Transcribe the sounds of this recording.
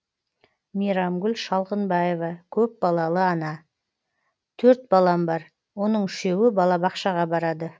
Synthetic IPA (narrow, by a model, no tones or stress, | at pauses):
mijɾɑmɡʲʏlʃɑlˠqənbɑje̞vɑkʲʰɵp̚bɑlˠɑlˠəɑnɑ | t̪ʰɵɾt̪̚bɑlˠɑmbɑɾ | wo̞nəɴʏʃe̞wɪbɑlˠɑbɑqʃɑʁɑbɑɾɑd̪ə